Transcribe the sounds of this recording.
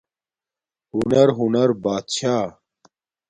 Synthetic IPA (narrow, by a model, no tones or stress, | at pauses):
hunɐɾɦunɐɾbaːt̪ɕaː